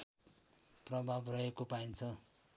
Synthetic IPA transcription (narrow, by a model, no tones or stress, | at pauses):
prʌbʱabrʌɦekopaint͡sʰʌ